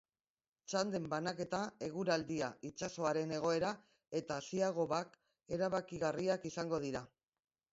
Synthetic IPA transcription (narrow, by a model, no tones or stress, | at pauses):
t͡ʃand̪e̞mbanake̞t̪ae̞ɣ̞uɾald̪iait͡ʃaso̞aɾe̞ne̞ɣ̞o̞e̞ɾa | e̞t̪aːsiaɣ̞o̞βak | e̞ɾaβakiɣariakisaŋɡo̞ð̞iɾa